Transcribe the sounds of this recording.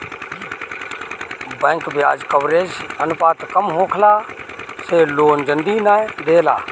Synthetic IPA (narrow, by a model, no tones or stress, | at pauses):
bɛ̃ːŋkbɪja̰ːd͡ʒkɐʋɾeːd͡ʒɐnʊpaːt̪kɐmɦoːkʰlaːseːloːnd͡ʒənd̪iːnaːd̪eːla̰ː